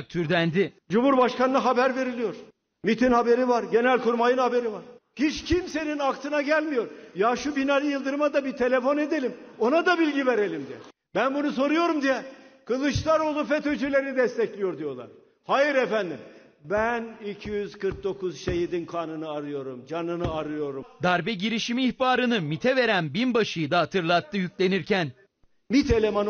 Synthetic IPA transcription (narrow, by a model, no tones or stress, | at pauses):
k̚t̪ʰyɾd̪ænd̪i | d͡ʒumhuɾbaʃkanɯnˠaɦabæɾve̞ɾilʲijo̞ɾ̥ | mit̪ʰinhabe̞ɾivaɾɟe̞nælʲkuɾmajɯnhabe̞ɾivaɾ̥hit͡ʃcʰimse̞ninakt̪ʰɯnaɟælʲmijo̞ɾjaʃubinalʲɯjɯlˠd̪ɯɾmad̪abit̪ʰe̞lʲe̞fo̞ne̞d̪e̞lʲimo̞nad̪abilʲɟiveɾe̞lʲimd̪ijɛ̰ | bænbunuso̞ɾujo̞ɾumd̪ijɛkʰɯlˠɯt͡ʃlˠaɾo̞lˠufɛt̪ød͡ʒylʲe̞ɾid̪ɛst̪ʰɛclʲijo̞ɾd̪ijo̞lˠa̰ɾ | hajɯɾefænd̪im | bænicʰijyz̥kʰɯɾk̚d̪o̞kuzʃejid̪inkʰanɯnɯaɾɯjo̞ɾumd͡ʒanɯnɯaɾɯjo̞ɾumd̪aɾbɛɟiɾiʃimiːçbaːɾɯnɯmit̪ʰɛve̞ɾænbinbaʃɯjɯd̪aɦat̪ʰɯɾlˠat̪ʰːɯjycʲlʲe̞niɾcʰæn | mit̪ʰelʲemon